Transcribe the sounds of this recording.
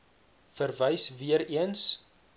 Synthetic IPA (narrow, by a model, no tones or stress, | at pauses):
fərvəjsviəɾiəns